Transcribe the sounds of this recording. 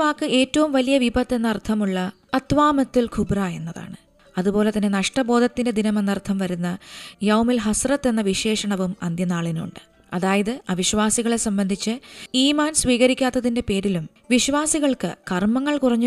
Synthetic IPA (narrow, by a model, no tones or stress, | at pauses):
ʋaːkːɨe̞ːtːɐʋumʋɐlijɐʋibɐt̪ːe̞nːɐrt̪ʰɐmuɭːɐ | ɐt̪ʋaːmɐt̪ːilkʰubrae̞̰nːɐða̰ːɳɨ | ɐðupo̞ːle̞t̪ɐnːenɐʂʈɐbo̞ːd̪ʱɐt̪ːinde̞d̪inɐmenːɐrt̪ʰɐmʋɐɾunːɐjɐwmilɦɐsrɐt̪ːe̞nːɐʋiɕe̞ːʂɐɳɐʋumɐ̰nd̪jɐnaːɭinṵɳɖɨ̥ | ɐðaːjɐðɨɐʋiɕʋaːsiɣɐɭe̞sɐmbɐnd̪ʱit͡ɕːɨiːmaːnsʋiːɣɐɾikʲːaːt̪ːɐðinde̞pe̞ːɾilum | ʋiɕʋaːsiɣɐɭkɨ̰kɐrmɐŋːɐɭkurɐɲːu